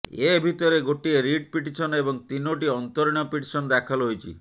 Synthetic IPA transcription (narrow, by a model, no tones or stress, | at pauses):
ebʱit̪ɔɾeɡoʈieɾiɖ̚piʈisɔnebɔŋt̪inoʈ̬iɔnt̪oɾiɽ̃ɔpiʈisɔnɔd̪ɛkʰalɦojt͡ʃʰḭ